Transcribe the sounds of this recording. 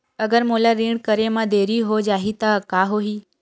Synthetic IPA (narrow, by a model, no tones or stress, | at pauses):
əɡəɾmoːlaɾĩːɽkəɾemãd̪eːɾiɦod͡ʒaːɦit̪akaːɦoːɦiː